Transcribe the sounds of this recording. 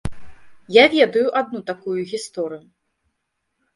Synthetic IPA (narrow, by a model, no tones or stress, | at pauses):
javʲɛd̪ɐjuʔad̪nut̪akujuɣʲist̪ɔɾɨju